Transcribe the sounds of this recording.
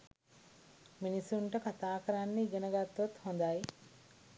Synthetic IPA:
minisuɳʈɐkat̪aːkɐɾanːiɡenɐɡat̪ːʋot̪hond̪aːji

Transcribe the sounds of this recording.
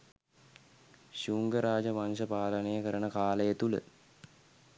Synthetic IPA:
ɕuːŋɡəɾaːd͡ʒəmanʃ̬əpaːlənejəkəɾənəkaːləjət̪ulə̰

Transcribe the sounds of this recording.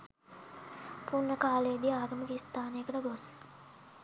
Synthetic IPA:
punːəkaːleəd̪iaːɡəməkist̪aːneːkəʈəɡos

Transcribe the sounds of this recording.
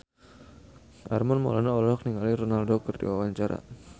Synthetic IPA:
ʔarmɔnmɔ̰lanaɔlɔk̚niŋalirɔnaldɔkərdḭwawaɲt͡ʃaɾa̰

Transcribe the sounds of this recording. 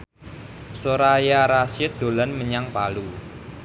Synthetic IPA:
soɾajaɾasɪt̪̚d̪̥o̤lanməɲaŋpalu

